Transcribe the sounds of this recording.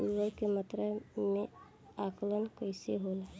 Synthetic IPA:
uʋəlkemət̪ɾəme | aklənkəɪseɦole

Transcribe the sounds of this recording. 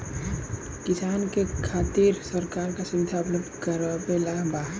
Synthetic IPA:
kɪsaːnkekʰaːt̪iɾsəɾkaːɾkasʊʋɪd̪ʱaʊpləbd̪kəɾəbelaɦbaɦ

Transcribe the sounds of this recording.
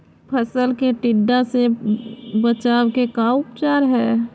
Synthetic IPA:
pʰəsəlkeʈɪɖːãse | bət͡ʃaːwkekaʊpt͡ʃaːɾɦɛː

